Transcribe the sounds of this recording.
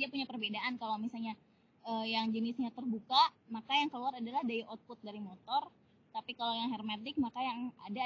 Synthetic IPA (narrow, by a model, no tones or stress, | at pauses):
iapuɲapərbedaʔankalawmisalɲa | əːjaŋd͡ʒənɪsɲat̪ərbukamakajaŋkəluaɾadalahdaiʔɔt̪̚pʊt̪̚daɾimot̪ɔr | t̪apikalawjaŋɦɛrmat̪ɪk̚makajaŋa̰da